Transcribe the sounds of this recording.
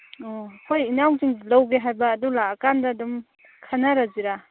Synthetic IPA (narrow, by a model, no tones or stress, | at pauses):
ɔkʰojinawziŋlawɡeɦajbɐːdulaːkandadum | kʰanaɾaziɾa